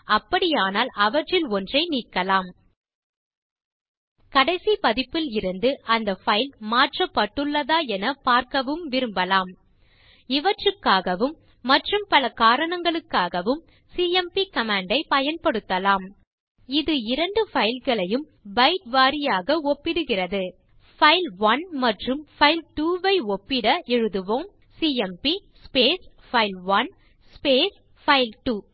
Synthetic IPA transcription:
ɐpːɐɽɪjaːnaːlɐʋɐʈrɪlɔndrɐɪniːkːɐlaːm | kɐɽɐɪsipɐðɪpːɪlɪɾɯnd̪ɯʔɐnd̪ɐfɐɪlmaːʈrɐpːɐʈːɯɭːɐðaːɛnɐpaːɾkɐʋɯmʋɪɾɯmbɐlaːm | ɪʋɐʈrɯkːaːɣɐʋɯmː | ɐʈrɯmpɐlɐkaːɾɐɳɐŋɡɐɭɯkːaːɣɐʋɯm | siːɛmpikɐmaːɳɖɐɪpɐjɐnpɐɽɯt̪ːɐlaːm | ɪðɯɪɾɐɳɖɯfɐɪlɣɐɭɐjɯm | bɐɪʈ̚ʋaːɾɪjaːɣɐɔpːɪɽɯɣɪrɐðɯ | fɐɪlʋɐnmɐʈrɯmfɐɪlʈuːʋɐɪɔpːɪɽɐʔɛɻɯðɯʋoːm | siːɛmpi | speːs | fɐɪlʋɐn | speːs | fɐɪlʈuː

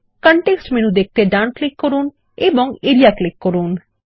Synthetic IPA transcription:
kəɳʈeksʈmenũd̪ek̚ʰt̪eɖaʊnklɪkːɔɾuːn | ebɔŋeɾijaklɪkːoɾuːn

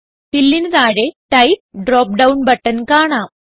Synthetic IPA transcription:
pilːinɐðaːɽeʈɐjp̚ɖroːp̚ɖɐwnbɐʈːɐnkaːɳaːm

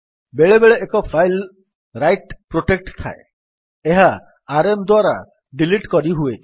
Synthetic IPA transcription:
beɭebeɭeʔekɔpʰajl | ɾajʈpɾoʈek̚ʈt̪ʰa̰ḛ | eɦaː | ɾemd̪waɾa | ɖiliʈkɔɾiɦue

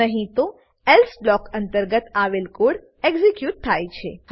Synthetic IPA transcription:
əɦĩt̪o | ɛlsblɔkənt̪əɾɡət̪aʋelkoɽ | eɡzekjuʈ̚t̪ʰːajt͡ʃʰḛ

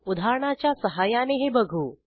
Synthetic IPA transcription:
ud̪ʱaɾɳat͡ɕjasəɦajaneɦebəɡʱuː

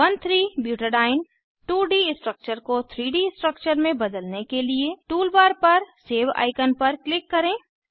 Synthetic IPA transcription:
ʋɐnt̪ʰɾiːbjuːʈəɖaːɪn | ʈuːɖiːsʈɾək̚t͡ʃəɾkot̪ʰɾiːɖisʈɾək̚t͡ʃəɾmẽbɐd̪əlnekelieʈuːlbaːɾpɐɾseːʋa̰ːɪkənpɐɾklɪkːɐɾẽː

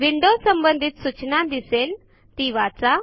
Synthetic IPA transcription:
ʋiɳɖosəmbənd̪ʱit̪sut͡ɕnad̪isen | t̪iʋat͡sa

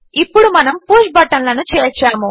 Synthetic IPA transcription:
ipːuɽumɐnɐmpoːʂʈ̚bɐʈːɐnlɐnut͡ʃɛːt͡ʃaːmu

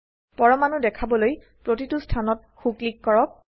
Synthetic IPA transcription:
pɔɹɔmanudɛkʰabɔloj | pɹotitustʰanɔt̚ | xuklikːɔɹɔk̚

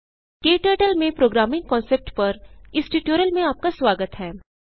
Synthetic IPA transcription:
keːʈəːʈəlmẽpɾoːɡɾaːmɪ̃ŋɡ̚kɔ̃ːnsep̚ʈpɐɾɪsʈuːʈjoːɾəlmẽaːp̚kasʋaːɡət̪ɦɛː

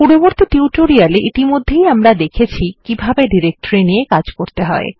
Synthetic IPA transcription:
puɾoboɾt̪it̪iuʈoɾialeʔit̪imod̪ʱːejamɾad̪ekʰet͡ɕʰikibʱabeɖiɾek̚ʈoɾiniekad͡ʑkoɾt̪eɦɔḛ

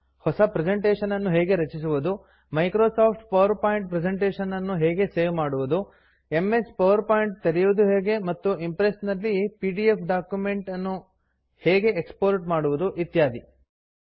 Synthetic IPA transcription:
hɔsɐpɾed͡ʒeɳʈeːʂɐnɐnːuɦeːɡe̞ɾɐt͡ʃis̬uʋud̪u | mɐjkɾoːsaːpʰʈ̚pɐʋɐɾpaːjiɳʈ̚pɾed͡ʒeɳʈeːʃɐnɐnːuɦɛːɡe̞seːʋmaːɽuʋud̪u | emːe̞spɐʋɐɾpaːjiɳʈ̚t̪ɐɾijuʋud̪uɦeːɡe̞mɐt̪ːuimpɾesnɐlːipiːɖiepʰɖaːkjume̞ɳʈɐnːu | heːɡe̞ekspoːɾʈmaːɽuʋud̪uʔit̪jaːd̪i

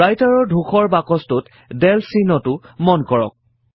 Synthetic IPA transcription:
ajtaɹɔɹdʱuxɔɹbakɔstʊt | dɛlsinɔtʊmɔnkɔɹɔ̰k̚

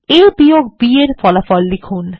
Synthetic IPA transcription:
ejbijoɡ̚bieɾfɔlafɔlːikʰun

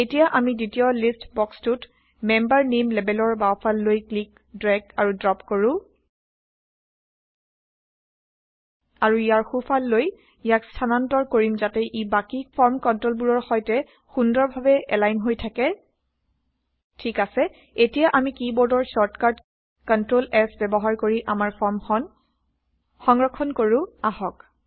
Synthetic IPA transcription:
etijaʔamiditijɔlistbɔkstut | mɛmbaɹnimlɛbɛlɔɹbaɔpʰalːojklik | dɹɛɡaɹudɹɔpkoɹʊ̃ | aɹuijaɹxupʰalːoj | ijakstʰanantɔɹkoɹimzatɛʔibakipʰɔɹmkɔntɹolbuɹɔɹxɔjtɛ | xundɔɹbʱabɛɛlajnɦojtʰakɛ | tʰikasɛ | etijaʔamikibɔɹdɔɹsɔɹtkaɹd | kɔntɹolɛsbɛbɔɦaɹkoɹiʔamaɹmn | xɔŋɹɔkʰːɔnkoɹʊ̃ahɔk

